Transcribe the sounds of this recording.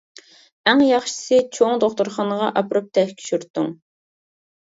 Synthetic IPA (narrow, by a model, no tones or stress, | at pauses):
æŋjɑχʃi̥sɨt͡ʃʰoŋd̪oχt̪uɾχɑnəʁɑʔɑpɾup̚t̪ʰɛhkʲʰi̥ʃyɾt̪ːṵŋ